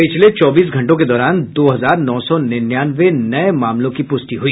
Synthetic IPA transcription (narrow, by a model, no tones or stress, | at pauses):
pɪt͡ʃʰlet͡ʃɔːbiːsɡʱɐ̃ɳʈõked̪ɔːɾaːnd̪oːɦɐzaːɾnɔːsɔnɪnjaːnʋenɐemaːmlõkipʊsʈiɦʊiː